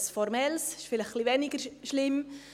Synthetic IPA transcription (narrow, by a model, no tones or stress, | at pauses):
sfɔɾmɛlsɪ̥ʃfɪləχχlivɛnɪɡəɾʃlɪm